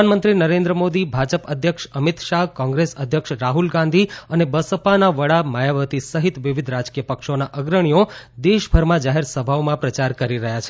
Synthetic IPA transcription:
nmənt̪ɾinəɾẽnd̪ɾəmod̪ibʱad͡ʒəpəd̪ʱjəkʃəmit̪ʃaɦkɔ̃ŋɡɾesəd̪ʱjəkʃɾaɦulɡãnd̪ʱiənebəsəpanaʋəɭamajaʋət̪isəɦit̪ʋiʋid̪ʱɾad͡ʒkijəpəkʃonaʔəɡɾəɽ̃ijod̪eʃbʱəɾmãd͡ʒaɦeɾsəbʱaomãpɾət͡ʃaɾkəɾiɾəɦjat͡ʃʰe

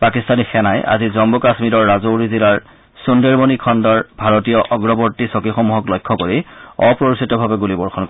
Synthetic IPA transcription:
pakistanixɛnajʔa̰zizɔmbukasmiɾɔɹːazowɹizilaɹ | sundeɹbonikʰɔndɔɹbʱaɹotijɔʔɔɡɹɔboɹtisɔkixɔmuɦɔklɔjkʰːɔkoɹiɔpɹoɹisitɔbʱabɛɡulibɔɹxɔnk

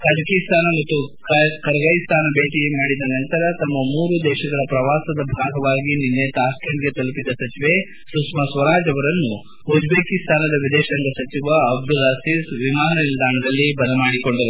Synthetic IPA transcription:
k̪ɐʈɐkist̪ʰaːnɐmɐt̪ːukkɐɾɐɡɐjst̪ʰaːnɐbeːʈiemaːɽid̪ɐnɐnt̪ɐɾɐt̪ɐmːɐmuːɾud̪ɛːʃɐɡɐɭɐpɾɐʋaːsɐd̪ɐbʱaːɡɐʋaːɡininːeːt̪aːskeɳɡe̞t̪ɐlupid̪ɐsɐt͡ʃiʋe | sɾusmɐsʋɐɾaːd͡ʒɐʋɐɾɐnːu | ɦud͡ʒbeːkist̪ʰaːnɐd̪ɐʋid̪ɛːʃɐŋɡɐsɐt͡ʃiʋɐːbd̪ulaːsisʋimaːnɐnild̪aːɳɐd̪ɐlːibɐnɐmaːɽiko̞ɳɖɐɾu

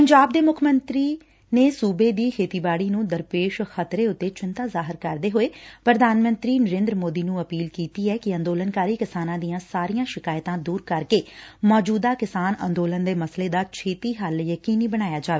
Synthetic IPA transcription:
pəɲd͡ʒaːb̚d̪eːmʊkʰmənt̪ɾiː | neːsuːbeːd̪iːkʰeːt̪iːbaːɽiːnũːd̪əɾpeːʃxət̪ɾeːʊt̪ːeːt͡ʃɪnt̪aːzaːɦəɾkəɾd̪eːɦoːeːpɾəd̪ʱaːnmə̃nt̪ɾiːnəɾẽːnd̪ɾəmoːd̪iːnũːəpiːlkiːt̪iːɛːkɪə̃nd̪oːlənkaːɾiːkɪsaːnãːd̪ijãːsaːɾijãːʃɪkaːjt̪ãːd̪uːɾkəɾkeːmɔːd͡ʒuːd̪aːkɪsaːnə̰̃nd̪oːlənd̪eːməsleːd̪aːt͡ʃʰeːt̪iːɦəljəkiːniːbəɽ̃aːjaːd͡ʒaːʋeː

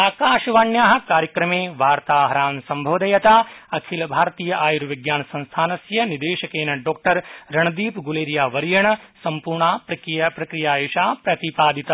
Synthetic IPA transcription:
aːkaːʃɐʋaːɳjaːɦɐ̆kaːɾjɐkɾɐmeːʋaːɾt̪aːɦɐɾaːnsɐmbʱɐʋd̪ɐjɐt̪aːɐkʰilɐbʱaːɾt̪iːjɐʔaːjuɾʋiɡjaːnɐsɐ̃nst̪ʰaːnɐsjɐnid̪eːʃɐkeːnɐɖoːk̚ʈɐɾɾɐɳɐd̪iːpɡuleːɾjaːʋɐɾijɐɳɐsɐmpuːɾɳaːpɾɐkɾijɐpɾɐkɾijaːjoːʃaːpɾɐt̪ipaːd̪it̪ɐ

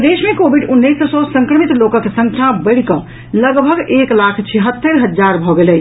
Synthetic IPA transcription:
d̪esmekobʱiɖunːəjssɔsəŋkɾəmit̪lokəkesə̃ŋkʰjabəɽ̤kə | ləɡbʱəɡeklakʰt͡ʃʰiɦət̪ːəɾɦəd͡ʒzaɾbʱɔɡelɛ

